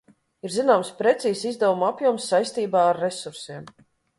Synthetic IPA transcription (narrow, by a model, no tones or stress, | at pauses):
iɾzinaːmspɾɛt̪siːsizd̪ɛvumapjuɔmsːajst̪iːbaːaɾːesuɾsiɛm